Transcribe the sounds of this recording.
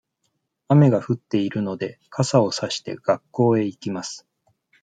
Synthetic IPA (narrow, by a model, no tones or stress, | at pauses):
ame̞ɡaɸɯ̟t̪ːe̞iɾɯ̟no̞d̪e̞kʰasao̞saɕi̥t̪e̞̰ɡ̥akːo̞ːe̞ikʲimasɨ̥